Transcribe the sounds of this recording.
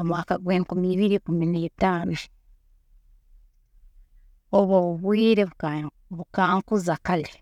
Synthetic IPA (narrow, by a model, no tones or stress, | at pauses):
omwaːkaɡweːŋkumiːβiɾikuminetaːnu | oβoβuβwiːɾeβ | βukaːŋkuzakale